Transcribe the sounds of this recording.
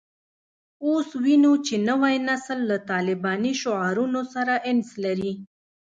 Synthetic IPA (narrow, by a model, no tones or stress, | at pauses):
oswinut͡ʃenəwajnaslːat̪ɑlɪbɑniʃoʕɑɾunosaɾaʔɪnslaɾi